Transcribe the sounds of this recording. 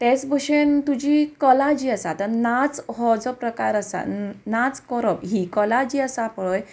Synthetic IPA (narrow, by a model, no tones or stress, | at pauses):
t̪et͡sbəɕent̪ud͡ʑiːkɔlad͡ʑiːəsat̪ənat͡sɦɔd͡zɔpɾəkaɾəsa̰nat͡skɔɾəbɦikɔlad͡ʑiːəsapəɭəj